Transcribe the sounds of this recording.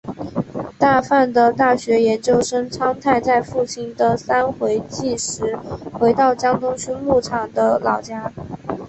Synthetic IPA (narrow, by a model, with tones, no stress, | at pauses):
t̪a˥˧fa˥˩nd̪ə˩t̪a˥˩ɕɥɛ˧˥jɛ˧˥nt͡ɕjo˥ʊʂə˥ŋʈ͡ʂʰɑ˥ŋt̪ʰa˥˧ɪt͡sa˥˧ɪfu˥˩t͡ɕʰi˥˩nd̪ə˨sa˥nxwe˧˥ɪt͡ɕi˥˩ʂɻ̩˧˥xwe˧˥ɪt̪ɑ˥˩ʊt͡ɕjɑ˥ŋt̪ʊ˥ŋɕy˥nmu˥˩ʈ͡ʂʰɑ˨˩ŋd̪ə˦lɑ˨˩ʊt͡ɕja˥